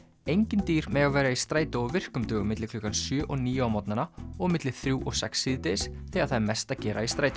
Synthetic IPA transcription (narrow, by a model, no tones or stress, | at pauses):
ejɲcɪnt̪iːɾmɛːɣavɛːɾaist̪ɾaːjt̪oɔvɪr̥kʏmt̪œːɣʏmɪt̪lɪklɔːkansjœːʔɔniːjʏawmɔt̪nanaɔɣmɪt̪lɪ̥θɾjuːʔɔɣsɛ̰ksːiːðt̪esθɛaðθajmɛst̪acɛːɾʔa̰ist̪ɾaːjt̪